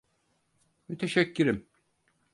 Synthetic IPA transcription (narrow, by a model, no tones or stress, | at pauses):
myt̪ʰeʃɛcʰːyɾim